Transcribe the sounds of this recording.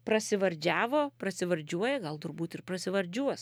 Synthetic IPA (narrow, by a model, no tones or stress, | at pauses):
pɾɐsʲɪʋɐɾʲd͡ʒʲæːʋoːpɾɐsʲɪʋɐɾʲd͡ʒʲuɔjɛɡɐlˠt̪ʊɾbuːt̪ɪrprɐsʲɪʋɐɾʲd͡ʒʲuɔs